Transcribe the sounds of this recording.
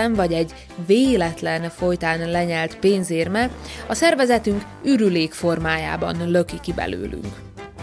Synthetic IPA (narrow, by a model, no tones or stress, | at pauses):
ɛɱvɒɟɛɟ | veːlɛt̪lɛnfo̞jt̪aːnlɛɲɛlt̪peːnzeːrmɛɒsɛrvɛzɛt̪yŋk | yɾyleːkfo̞rmaːja̰ːbɒ̰nlø̞kikibɛ̰lø̰ːly̰ŋk